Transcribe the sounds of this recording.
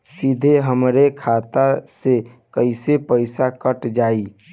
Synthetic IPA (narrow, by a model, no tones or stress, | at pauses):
sid̪ʱeɦəmɾekʰat̪ase | kəɪsepəɪsakəʈd͡ʒaːi